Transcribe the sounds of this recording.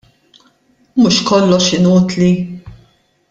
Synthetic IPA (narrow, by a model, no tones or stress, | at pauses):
mʊʃkɔlːɔʃɪnuːt̪li